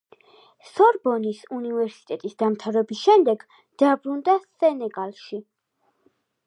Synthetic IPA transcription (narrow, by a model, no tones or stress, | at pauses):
sɔɾbɔnisunivɛɾsi̥t̪ʼɛt̪ʼisd̪amt̪ʰavɾɛbisʃɛmd̪ɛɡ | d̪̥abɾund̪asɛnɛɡalˠʃi